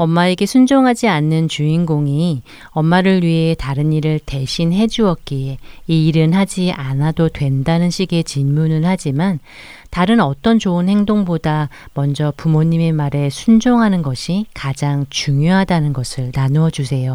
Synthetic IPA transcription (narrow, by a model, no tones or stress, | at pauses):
ʌmːaeɡe̞sʰund͡ʑoŋɦad͡ʑianːɯnt͡ɕuinɡoŋi | ʌmːaɾɯɭɥiɦe̞taɾɯniɾɯɭte̞ɕʰinɦe̞d͡ʑuʌk̚k͈iiːɾɯnɦad͡ʑiʔanadodwe̞ndanɯnɕʰiɡe̞t͡ɕinmunɯnhad͡ʑiman | taɾɯnʌt͈ʌnt͡ɕoɯnhe̞ŋdoŋbodamʌnd͡ʑʌpumoɲːime̞maɾe̞sʰund͡ʑoŋɦanɯnɡʌɕʰikad͡ʑaŋt͡ɕuŋjoɦadanɯnɡʌsʰɯɭnanuʌd͡ʑusʰe̞jo